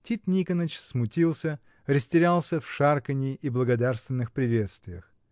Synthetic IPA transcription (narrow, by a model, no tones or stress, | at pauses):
tʲit̪nʲikənət͡ɕsmʊtʲilˠsʲə | rəsʲtʲɪɾʲalˠsʲəfʂarkənʲɪʔiblˠəɡɐd̪arst̪vʲɪnːɨxpɾʲɪvʲe̞t̪st̪vʲɪjəx